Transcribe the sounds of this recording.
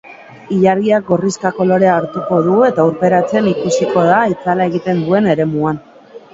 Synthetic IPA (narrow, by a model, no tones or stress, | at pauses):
iʎaɾɣiak̚ɡo̞riskako̞lo̞ɾe̞aːɾt̪uko̞ð̞ue̞t̪auɾpe̞ɾat͡se̞nikusiko̞ð̞ait͡salae̞ɣit̪e̞nd̪ue̞ne̞ɾe̞muan